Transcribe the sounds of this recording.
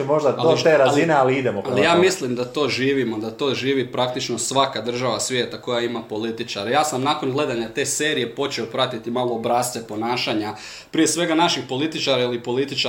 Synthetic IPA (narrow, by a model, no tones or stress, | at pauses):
moʒd̪adalot̪eːɾazinealiid̪emopalijaːmislimd̪at̪o̞ːʒiːʋimo̞d̪at̪o̞ːʒiːʋipɾak̚t̪it͡ʃno̞sʋakad̪r̩ʒaʋasʋjeːt̪ako̞jaimapo̞lit̪it͡ʃaɾejaːsamnako̞nɡle̞d̪aɲat̪e̞ːse̞ːɾije̞po̞t͡ʃeo̞pɾat̪it̪imaːlˠo̞ːbɾaːst̪ʋepo̞naːʃaɲa | pɾije̞sʋe̞ɡanaʃixpo̞lit̪it͡ʃaɾailipo̞lit̪it͡ʃa